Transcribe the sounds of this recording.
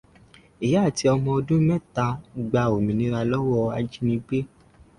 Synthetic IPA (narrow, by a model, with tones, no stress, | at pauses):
i˨ja˨˦˨ti˧˦ɔ˧mɔ̃˧ɔ˧dũ˦mɛ̃˦˨ta˧ɡ͡ba˧o˨mĩ˨nĩ˧˦ɾa˧lɔ˦wɔ˦a˧d͡ʒi˦nĩ˧ɡ͡be˦